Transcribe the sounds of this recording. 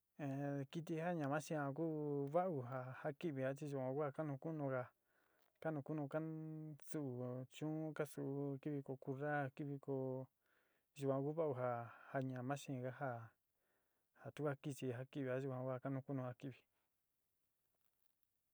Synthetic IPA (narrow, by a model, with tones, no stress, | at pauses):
ẽ˨ki˧t̪̬i˧˦ha˦ɲã˨mã˦ʃĩ˧a˧k̬uː˦βa˦ʔu˧ɦa˧ha˦ki˦βi˨a˦t͡ʃi˧ʒu˧˨kʷã˧kʷa˦˧ka˦nũ˧ku˦nũ˧ka˧ | ka˦nũ˧ku˦nũ˧ka˦su˧ʔu˨t͡ʃũː˦ka˦su˧ʔu˧ki˦βi˧ko˧ku˧ɾa˦˧ki˦βi˧ko˧ | ʒu˧˨kʷã˧ku˦βa˦ʔu˧ɦa˧ha˧ɲã˨mã˦ʃĩ˧ɣa˦ɦa˦˧ | ha˨t̪u˦kʷa˦ki˧t͡ʃi˧ɦa˦ki˦˨βi˧˨a˧˦ʒu˧kʷã˧kʷa˦˧˨ka˦nũ˧ku˦nũ˧ha˧ki˦˨βi˧˨